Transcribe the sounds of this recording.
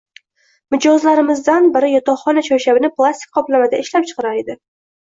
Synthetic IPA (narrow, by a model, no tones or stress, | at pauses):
mɪd͡ʒɒzlaɾɪmɪzd̪anbɪɾɪjɒt̪ɒχɒnat͡ʃʰɒwʃabɪnɪplˠast̪ɪ̥k̚ʲqʰɒplamad̪aʔɪʃlap̚t͡ʃʰɨ̥qɾaɾed̪ɪ